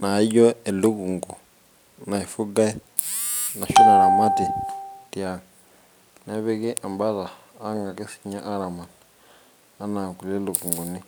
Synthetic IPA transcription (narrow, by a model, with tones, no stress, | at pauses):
na˨˦jo˦e˨lu˦ku˨ŋɡu˨ | na˨i˨fu˦ɡa˦i˦ | na˨ʃu˦na˨la˨ma˦ti˨ti˨a˨ŋa | na˦βe˦ke˦ʔa˨mba˦laː˨˦ | ŋɡa˨ke˦si̥˦ɲa˦ʔa˦ɾa˨ma˨na | a˦na˨ku˨le˦lu˨ku˨ŋɡu˨ni˦